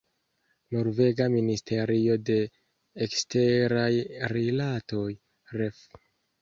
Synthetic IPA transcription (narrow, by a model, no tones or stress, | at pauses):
no̞ɾve̞ɡaministʰe̞ɾio̞de̞ː | kste̞ɾajɾilato̞j | ɾef